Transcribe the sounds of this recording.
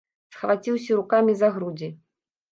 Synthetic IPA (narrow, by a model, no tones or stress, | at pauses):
sxvat͡sʲiws̬ʲɐɾukamʲizaɣɾud͡zʲi